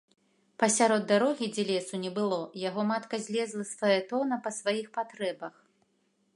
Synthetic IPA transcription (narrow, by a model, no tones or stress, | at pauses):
pɐsʲaɾɔd̪ːaɾɔɣʲid͡zʲɛlʲɛsunʲɛbɨlˠɔjaɣɔmat̪kɐzʲlʲɛzlˠɐsvɔjɛt̪ɔnɐpɐsvajixpat̪ɾɛbɐx